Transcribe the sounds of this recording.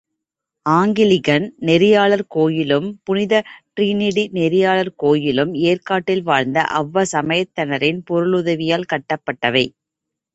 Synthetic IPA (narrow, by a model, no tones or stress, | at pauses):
aːŋɡɪlɪɣɐnnɛɾɪjaːɭɐɾkoːjɪlɯmpʊnɪðɐʈɾiːnɪɽinɛɾɪjaːɭɐɾkoːjɪlɯmeːrkaːʈːɪlʋaːɻnd̪ɐ̰ʔɐʋːɐsɐmɐjɐt̪ːɐnɐɾɪnpɔɾɯɭʊðɐʋɪjaːlkɐʈːɐpːɐʈːɐʋɐɪ